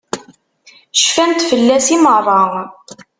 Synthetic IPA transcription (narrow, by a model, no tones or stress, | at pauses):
ʃfænt̪fəlːæsimərˤːɑ